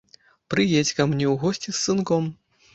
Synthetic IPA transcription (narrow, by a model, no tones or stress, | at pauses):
pɾɨjɛt͡sʲkɐmnʲɛwɣɔsʲt͡sʲissɨnkɔm